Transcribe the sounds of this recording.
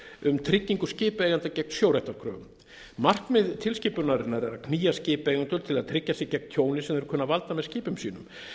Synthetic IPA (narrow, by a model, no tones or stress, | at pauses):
ʏmt̪ʰɾɪcːiŋkʏscɪːpeːjɣant̪acɛk̚n̥sjoːwɾajht̪aɾkʰɾœ̰ːɣʏ̰mː | ar̥kmɛðt̪ʰɪlscɪːpʏɾnaɾɪnːaɾɛɾa̰kʰniːjascɪːpejɣant̪ʏlt̪ʰɪlaðt̪ʰɾɪcːasɪcɛknt̪ʰjoːwnɪsɛmɛɾʏkʰœnavalt̪amɛðscɪːpʏmsiːnʏm